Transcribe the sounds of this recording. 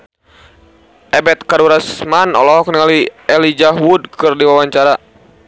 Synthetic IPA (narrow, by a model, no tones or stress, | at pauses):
ʔɛbɛt̪̚kaɾuɾasmanɔ̰lɔɦɔknaliɛlid͡ʒaɦwud̚kɨrdiwawaɲt͡ʃaɾa